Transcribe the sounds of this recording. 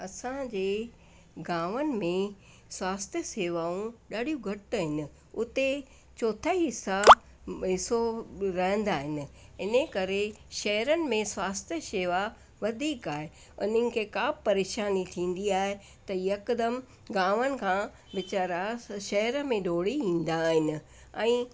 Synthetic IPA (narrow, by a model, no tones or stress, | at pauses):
ɐsãd͡ʑeː | ɡãːʋənɪ̆mẽ | swaːst̪ʰjəseːʋaːũɗaːɗijũɡʱɐʈɦɪnɪ̆ | ʊt̪e | t͡ɕoːt̪ʰaːiɦɪsa | ɦɪsoɾɐɦə̃n̆d̪aːɦɪnɪ̆ɪnəkɐɾeʃɐɦəɾənɪ̆mẽswaːst̪ʰjəseːʋa | ʋɐd̪ʱiːkaːɦe | ʊ̰nənɪ̆kʰeːkapɐɾeːʃaːnit̪ʰĩːnd̪iaːɦe | t̪ɐiɐkd̪əm | ɡãːʋənɪ̆kʰãː | ʋɪt͡ɕaːɾaʃɐɦəɾəmẽɗoːɽiĩːn̆d̪aːɦɪnɪ̆ | ɛ̃ː